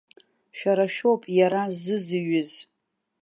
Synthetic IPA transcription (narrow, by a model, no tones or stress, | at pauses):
ʃᶣaɾaʃᶣowpʼjaɾazɨzɨɥʊz